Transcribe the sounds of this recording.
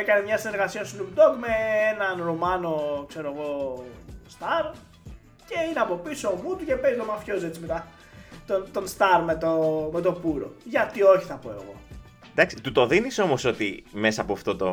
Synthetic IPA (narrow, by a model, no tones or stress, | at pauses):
ekɐnemɲɐsine̞ɾɣɐsiɐst̪unupd̪okme̞enɐnɾumɐno̞kse̞ɾoɣo̞ | st̪ɐɾ | ce̞ineɐpo̞pisoːmut̪uce̞pe̞zt̪omafço̞ze̞t͡simet̪ɐ | t̪ot̪o̞nst̪ɐɾmet̪ome̞t̪opuɾo̞̰ʝɐt̪io̞çiθɐpo̞e̞̰ɣo̞̰ | d̪ɐksit̪ut̪o̞ðiniso̞mo̞so̞t̪ime̞sɐːpoɐft̪o̞t̪o̞